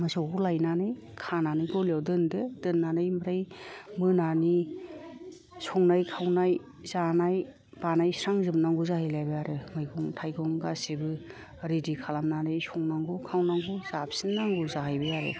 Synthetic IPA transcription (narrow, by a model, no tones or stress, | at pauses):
masɔɡulajnanɯj | kʰananɯɡɔlawdɯnded̥ɯnːanɯjmaɾajmɯnani | sɔŋnajkʰawnaj | zanaj | b̥anajsɾaŋzɯbnaŋɡuzahajlajbɯjaɾɯmɯjɡɔŋtʰajɡɔŋɡasibɯ | ɾidikʰalamnanɯjsʰɔŋnaŋɡɔkʰawnaŋɡuz̥apʰsinnːaŋɡuzaɦajbɯjaɾḛ